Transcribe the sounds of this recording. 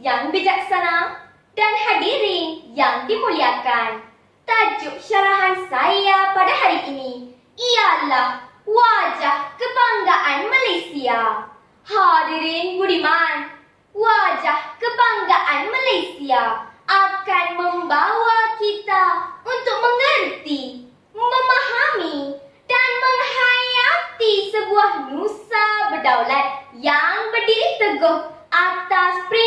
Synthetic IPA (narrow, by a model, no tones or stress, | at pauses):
jaŋbid͡ʒɐk̚sɐna | ɖɐnhɐɖiɾinjaŋdimulijakan | t̪ad͡ʒuk̚ʃɐɾaɦansaijapɐɽaɦaɾiʔni | ijala | wad͡ʒahkɨbaŋɡaʔanmɐlɐjsija | haɾiɾinɡuɽiman | wad͡ʒahkəbaŋɡaʔanməlajsijaap̚kanməŋbawakit̪aunt̪uk̚məŋənt̪i | məmaɦami | ʈanməŋɦajat̪isəbuaɦnusabəɖawlaɾjaŋbəɖit̪əɡəɦ | at̪aspɾi